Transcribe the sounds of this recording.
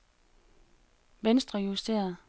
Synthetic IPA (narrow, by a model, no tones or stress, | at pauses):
ʋensd̥ʁɐjusd̥e̝̰ːɐðˠ